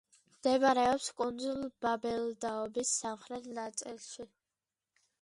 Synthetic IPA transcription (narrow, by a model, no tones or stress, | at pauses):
md̪̥ɛbaɾɛɔpskʼund̪zulˠb̥abɛld̪aɔbisːamχɾɛt̪ʰnat̪sʼilˠʃi